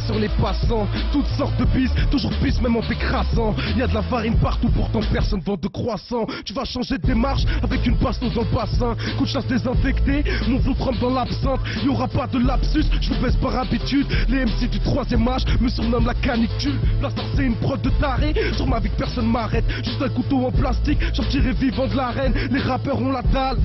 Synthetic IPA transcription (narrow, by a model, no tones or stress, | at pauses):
syʁlepasɑ̃ | t̪ut̪sɔʁt̪̚d̪əbist̪uʒuʁpismɛmɑ̃t̪ekχasɑ̃iljad̪əlavaʁinpaʁt̪upuʁt̪ɑ̃pɛʁsɔnvɑ̃t̪̚d̪əkχwasɑ̃t̪yvaʃɑ̃ʒed̪əd̪emaʁʃavɛkynpast̪osd̪ɑ̃ləpasɛ̃kɑ̃t̪ylasd̪ezɛ̃fɛkt̪emɔ̃flot̪χɑ̃p̚d̪ɑ̃lapsɑ̃t̪iljɔʁapad̪əlapsysʒəvəbɛzpaʁabit̪yd̪leɛmsed̪yt̪χwazjɛmaʃməsyʁnɔmlakanikt̪ylplast̪aʁsɛynpχɔvd̪ət̪aʁesuʁmavikpɛʁsɔnmaʁɛt̪ʒyst̪ãləkut̪oɑ̃plast̪ikʒɑ̃t̪iʁɛvivɑ̃d̪əlaʁɛnleʁapœʁɔ̃lad̪al